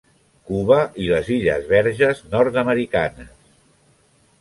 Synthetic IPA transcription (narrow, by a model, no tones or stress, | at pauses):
kuβəʔiləziʎə̰zβɛɾʒəznɔɾt̪əməɾikanəs